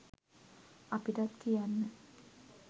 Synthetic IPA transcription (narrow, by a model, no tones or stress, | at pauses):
apiʈat̪kijanːə